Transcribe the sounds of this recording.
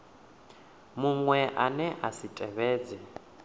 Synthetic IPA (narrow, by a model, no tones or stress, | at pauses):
muŋwɛʔanɛʔasitʼɛβɛːd͡zɛ